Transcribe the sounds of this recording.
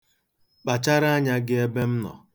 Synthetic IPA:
k͡pa˨t͡ʃa˦ɾa˦a˦ɲa˦ɡɪ˦e˦be˦m̩˦nɔ̰˨

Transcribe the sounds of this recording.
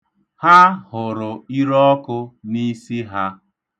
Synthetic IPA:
ha˦ɦʊ˨ɾʊ˨i˦ɾɔ˦ɔ˦kʊ˦ni˦si˦ɦa˦

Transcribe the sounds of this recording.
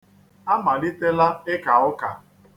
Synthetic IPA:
a˦ma˨li˦te˦la˦ɪ˦ka˨ʊ˦ka̰˨

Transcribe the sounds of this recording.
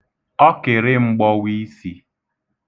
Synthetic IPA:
ɔ˦kɪ˨ɾɪ˦ŋ͡m̩˦ɡ͡bɔ˦wi˦si˦

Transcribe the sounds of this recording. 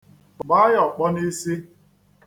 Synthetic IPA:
ɡ͡ba˦jɔ˨k͡pɔ˦ni˦si˦

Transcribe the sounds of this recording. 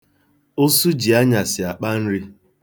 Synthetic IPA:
o˦su˦d͡ʒi˨a˦ɲa˨sɪ˨a˨k͡pa˦n̩˦ɾi˦

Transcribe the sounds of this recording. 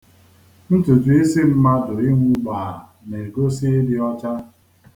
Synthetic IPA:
n̩˦tu˨tu˨i˦si˦m̩˦ma˦dʊ˨i˦ŋʷu˦ɡ͡baː˨ne˨ɡo˦si˦e˦dɪ˦ɔ˦t͡ʃa˦

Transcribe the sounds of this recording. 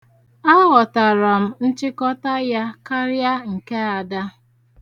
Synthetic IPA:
a˦ɣɔ˨ta˨ɾa˨m̩˦n̩˦t͡ʃɪ˦kɔ˦ta˦ja˦ka˦ɾja˦ŋ̩˨ke˦a˨da˦

